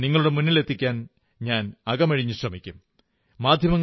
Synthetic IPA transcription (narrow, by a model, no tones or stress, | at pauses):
niŋːɐɭuɽe̞munːile̞t̪ːikʲːaːn | ɲaːnɐɡɐmɐɻiɲːuɕrɐmikʲːum | maːd̪ʱjɐmɐŋː